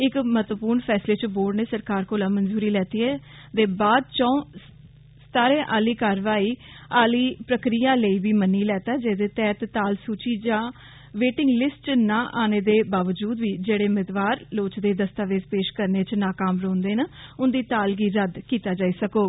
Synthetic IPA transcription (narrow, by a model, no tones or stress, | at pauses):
ɪkməɦət̪ʋəpuːɾnpʰɛːsleːt͡ʃboːɽneːsəɾkaːɾkoːlãːmənzuːɾiːlɛːt̪iːɛː | d̪eːbaːd̪̚t͡ʃɔ̃ːõ | st̪aːɾẽːʔaːliːkaːɾʋaːiː | aːliːpɾəkɾijãːləiːbiːmənːiːlɛːt̪aːd͡ʒeːd̪eːt̪ɛːt̪t̪aːlsuːt͡ʃiːd͡ʒãː | ʋeːʈɪ̃ŋɡlɪsʈt͡ʃnãːʔaːneːd̪eːbaːʋəd͡ʒuːd̪ʋiːd͡ʒeːɽeːʊmɪt̪ʋaːɾloːt͡ʃd̪eːd̪əst̪aːʋeːzpeːʃkəɾneːt͡ʃnaːkaːmɾõːnd̪eːnaʊnd̪iːt̪aːlɡiːɾəd̪kiːt̪aːd͡ʒaːiːsəkoː